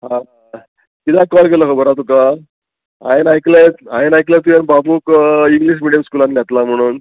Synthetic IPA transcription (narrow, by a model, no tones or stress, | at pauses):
ɦã | kit̪akɔlkeləkʰɔbəɾat̪̬uka | ã̰enajklaet̪aenajklat̪ujanbabuːkiŋɡliɕ̬miɽijəmskulãnljat̪lam̤əɽ̃uːn